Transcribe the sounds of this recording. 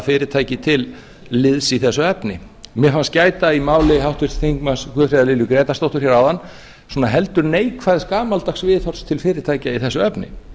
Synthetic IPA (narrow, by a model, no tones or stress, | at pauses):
fɪːɾɪt̪ʰaːjcɪt̪ʰɪl | lɪðsiθɛsːʏɛpnɪ | mɛfanscaːjt̪aimaːwlɪɦawht̪vɪst̪θiŋkmanskʰœːfɾaðalɪːljʏkɾɛːt̪ast̪owht̪ʏɾ̥çɛɾawðanː | sɔnaɦɛlt̪ʏɾneːjkʰvaːðɪskaːmalt̪axsvɪːðθɔr̥st̪ʰɪlfɪːɾɪt̪ʰaːjcaiθɛsːʏɛpnɪ̰